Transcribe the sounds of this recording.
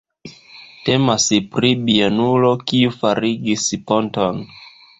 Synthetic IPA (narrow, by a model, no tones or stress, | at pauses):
te̞maspɾibianulo̞kiufaɾiɡispo̞nton